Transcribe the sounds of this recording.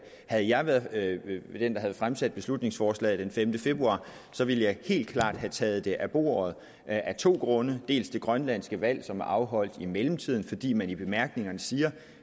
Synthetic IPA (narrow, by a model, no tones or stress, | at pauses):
hæð̞̩ˠjɑ̈ɪʋæːɐð̩ˠ | d̥end̥ɑɦæð̩ˠfʁamsæd̥̚b̥e̝slud̥ne̝ŋsfɒːslɛ̰ɪd̥enfemd̥əfe̝b̥ʁuɑ̰̈ː | sɒ̽ʋiləjɑ̈ɪhe̝̰ːld̥̚kʰlɑ̰̈ːd̥hæt͡sʰɛːð̩ˠd̥e̝ʔæb̥o̝̰ːɐð̞̩ˠ | ʔæt͡sʰo̝̰ːɡ̥ʁɔ̽nəd̥e̝̰ːlsd̥e̝ɡ̥ʁɶnlæn̰sɡ̥əʋæl̰sɒ̽mæɐʔɑ̈ʊɦɒ̽l̰d̥imeləm̩t͡sʰið̞̰ˠn̩fɒ̽d̥ḭːmænib̥e̝mæɐɡ̥ne̝ŋɐnəsiːɐ